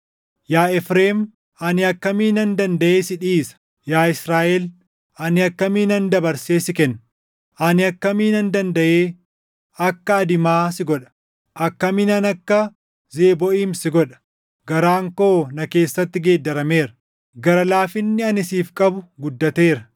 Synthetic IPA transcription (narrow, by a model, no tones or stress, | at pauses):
jaːɛfɾeːm | ɐnɪɐkːɐmiːnɐnd̪ɐnd̪ɐʔeːsɪᶑiːsɐ̥ | jaːɪsɾaːʔɛl | ʔɐnɪɐkːɐmiːnɐnd̪ɐbɐɾseːsɪkɛnː | ʔɐnɪɐkːɐmiːnɐnd̪ɐnd̪ɐʔeː | ɐkːɐːd̪ɪmaːsɪɡɔᶑɐ̥ | ʔɐkːɐmɪnɐnɐkːɐ | zeːbɔʔiːmsɪɡɔᶑɐ̥ | ɡɐɾaːŋkoːnɐke̞ːsːɐt̪ːɪɡe̞ːd̪ːɐɾɐme̞ːɾɐ̥ | ɡɐɾɐlaːfɪnːɪɐnɪsiːfkʼɐbʊɡʊd̪ːɐt̪e̞ːɾɐ